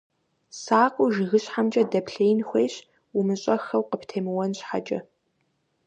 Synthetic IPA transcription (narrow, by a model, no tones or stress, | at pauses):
saːqʷʼʊʒɪɣɨɕħamd͡ʒʼɐdɐpʰɬeːjnxʷeːɕ | umɨɕʼɐxɐwqəpʰtʰeːmɨwɔnɕħa̰d͡ʒʼɐ